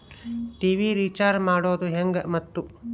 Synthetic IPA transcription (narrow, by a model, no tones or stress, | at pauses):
ʈiːʋiːɾiːt͡ʃaːɾmaːɽoːd̪uɦeŋɡɐmɐt̪ːu